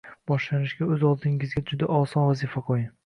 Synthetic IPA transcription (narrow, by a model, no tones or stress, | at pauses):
b̥ɒʃlanɪʃɡʲaɵzɒlˠd̪ʰɪŋɪzɡʲad͡ʒʊd̪aʔɒsɒnvazifaqʰojɪ